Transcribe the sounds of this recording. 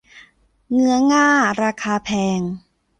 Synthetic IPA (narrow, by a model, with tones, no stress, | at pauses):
ŋɯ˧˥ɐŋaː˥˩ɾaː˧kʰaː˧pʰɛː˧ŋ